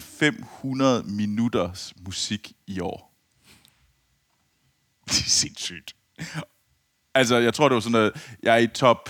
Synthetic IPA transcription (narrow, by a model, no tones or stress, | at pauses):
nfem̰hunɐð̞̩ˠminud̥ɐsmusiɡ̥iɒ̰ː | d̥se̝nsy̰ːd̥ | æls̬ɒjɑɪt͡sʰʁo̝ɐd̥e̝ʋɑ̈sɒnːɔð̩ˠjʔɑ̈ɪæɐit͡sʰɒ̽b̥